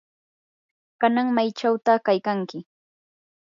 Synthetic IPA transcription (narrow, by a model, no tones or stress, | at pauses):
kanaŋmajt͡ʃawt̪akajkaŋkɪ